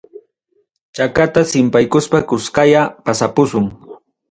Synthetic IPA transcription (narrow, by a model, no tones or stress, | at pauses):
t͡ʃakat̪asɪmpajkʊspakʊskajapasapʊsʊŋ